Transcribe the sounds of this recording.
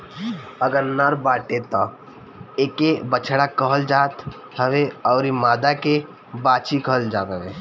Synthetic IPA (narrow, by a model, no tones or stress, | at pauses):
əɡəɾnəɾbaːʈet̪ɔ | eːkebət͡ʃʰɽakəɦəld͡ʒaːt̪ | həʋeɔːɾimaːd̪ake | baːt͡ʃikəɦəld͡ʒaːt̪əʋeː